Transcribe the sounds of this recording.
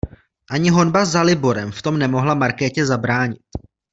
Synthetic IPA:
ʔaɲɪɦo̞nbazːalɪbo̞ɾɛmft̪o̞mnɛmo̞ɦlamaɾkɛːcɛzabɾaːɲɪt̪

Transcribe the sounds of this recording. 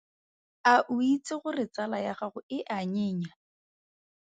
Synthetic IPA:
aʔʊit͡sɪχʊrɪt͡salajaχaχʊɪʔaɲɪːɲa

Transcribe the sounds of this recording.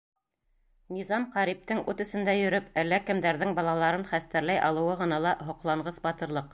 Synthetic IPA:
nizɑmqɑɾip̚t̪ɘŋʉt̪ɵ̆sɘ̆nd̪æjɵ̆ɾɵpælːækɘ̆md̪æɾðɘŋbɑlˠɑlˠɑɾɤnχæst̪æɾlæjʔɑlˠɤ̆wɤʁɤ̆nɑlˠɑɦŏqlˠɑɴʁɤsbɑt̪ɤ̆ɾlˠɤq

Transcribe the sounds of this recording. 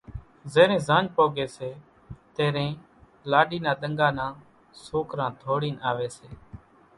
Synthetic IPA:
zeːɾẽːzãːnd͡ʒpoːɡeːseː | t̪eːɾẽː | laːɖiːnãːɗ̪əŋɡaːnãː | soːkɾãːd̪ʱoːɽiːnaːʋeːseː

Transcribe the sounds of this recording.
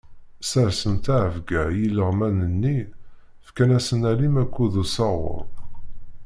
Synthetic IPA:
səɾsənt̪aʕəvɡæjilːəʁmænənːi | fkænæsənælimækʷːuðusɑʁʊ̰ɾˤ

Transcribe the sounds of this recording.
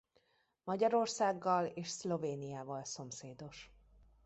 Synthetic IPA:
mɒɟɒɾo̞rsaːɡːɒleːʃslo̞veːnijaːvɒlso̞mseːd̪o̞ʃ

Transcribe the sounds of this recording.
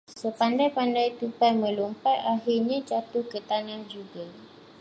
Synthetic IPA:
səpandajpandajt̪upamə̃lumpatahirɲãt͡ʃat̪ukət̪anad͡ʒuɡa

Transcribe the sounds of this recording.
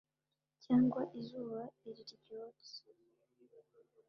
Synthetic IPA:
caːŋɡwaʔizuːβaiɾiɾiɟoːti̥

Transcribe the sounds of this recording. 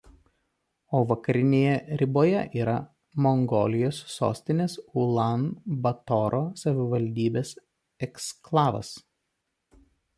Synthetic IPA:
oːʋɐkɐɾʲɪnʲeːjɛɾʲɪboːjɛʔiːɾɐ | mɔŋɡɔ̰ːlʲɪjoːsːo̰ːsʲt̪ʲɪnʲeːsʊlˠɑnbɐt̪ɔɾʔosɐʋʲɪʋɐlʲd̪ʲiːbʲeːs | ɛksklˠɑːʋɐ̰s

